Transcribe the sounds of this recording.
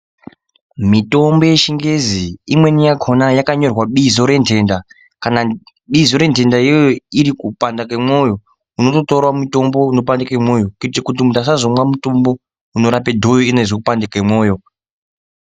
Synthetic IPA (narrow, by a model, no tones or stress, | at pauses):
mito̞mbo̞je̞ʃiŋɡe̞ziimwe̞nijaɡʱonajakaɲo̞rwaɓizo̞ɾe̞ntʰe̞ːnda | kana | ɓizo̞ɾe̞nte̞ndaijoiɾikupandakemo̞jo̞ | uno̞to̞torwamuto̞mbo̞uno̞p̬andakemo̞ːjo̞kitekutimutas̬azomwamuto̞mbo̞ | uno̞ɾapedʱo̞joinezokupandakwemwo̞ːjo̞